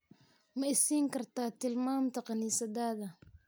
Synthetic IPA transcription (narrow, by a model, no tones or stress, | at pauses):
mɐɪsiːŋkɐrt̪aːt̪ɪlmaːmt̪ɐqɑniːsɐd̪aːðɐ